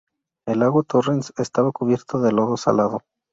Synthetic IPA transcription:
e̞laɣwat̪orensest̪aβakuβje̞ɾt̪oðe̞loðo̞sa̰laðo

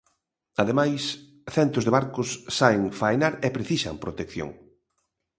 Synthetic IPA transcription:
aðemajs | θɛnt̪ʊzðeβaɾkʊsːaeŋfajnaɾɛpɾeθisa̰mpɾot̪ekθjo̰ŋ

